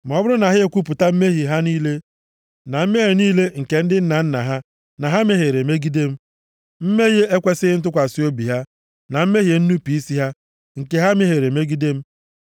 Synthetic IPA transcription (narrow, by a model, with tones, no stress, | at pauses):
m̩˨ɔ˦bʊ˦ɾʊ˦na˨ɦɪ˦e˨kʷu˦p̬ʊ˨ta˦m̩˦me˦ɦi˨ɦa˦niː˦le˦ | na˨m̩˦me˦e˨niː˦le˦ŋ̩˨ke˨n̩˦dɪ˦n̩˦na˨n̩˦na̰˨ɦa˦ | na˨ɦa˦me˦ɦe˨ɾe˨me˦ɡi˦de˦m̩˦ | m̩˦me˦ɣe˦e˦kʷe˦sɪ˦n̩˦t̬ʊ˦kʷa˨si˦o˦bi˨ɦa˦ | na˨m̩˦me˦ɦje˨n̩˦nu˦pi˨i˦si˦ɦa˦ | ŋ̩˨ke˨ɦa˦m˦e˦ɦe˨ɾe˨me˦ɡi˦de˦m̩˦